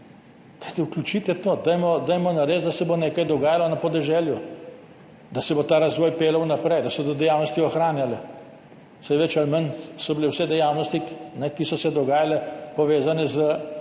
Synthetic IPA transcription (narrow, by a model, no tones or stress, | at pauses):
kajt̪iuklʲjut͡ʃiːt̪ɛt̪oːd̪ajmɔd̪ajmɔnaɾeːzd̪asɛboneːkajd̪ɔɡaːjalɔnapɔd̪ɛʒɛlju | d̪asɛbot̪aːɾazʋɔːjpeːlɐwnapɾɛjd̪asɛbod̪od̪ɛjawnɔst̪iɔxɾaːnjalɛ | sajʋɛt͡ʃalmənsɔbilewsɛd̪ɛjawnɔst̪inɛkisɔsɛd̪ɔɡaːjalɛpɔʋeːzanɛzə